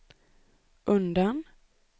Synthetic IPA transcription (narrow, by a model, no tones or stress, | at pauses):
ʔɵnd̪an